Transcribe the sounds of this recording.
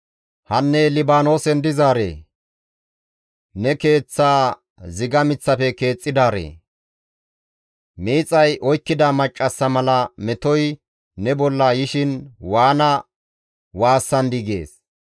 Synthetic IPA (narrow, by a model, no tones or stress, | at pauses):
hɐnːɛlɪbaːno̞ːsɛnd̪ɪzaːɾḛː | nɛke̞ːt͡sːaː | zɪɡɐmɪt͡sːɐfɛke̞ːt͡sʼːɪd̪aːɾḛː | miːt͡sʼːɐjʔɔjkːɪd̪amɐt͡ʃʼːɐsːɐmɐlɐmɛt̪ɔjː | ɛbɔlːaːjɪʃɪnwaːnɐ | waːsːɐnd̪iɡe̞̰ːs